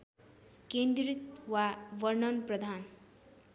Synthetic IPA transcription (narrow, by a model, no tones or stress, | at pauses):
kend̪rit̪waʋʌrnʌnprʌd̪ʱan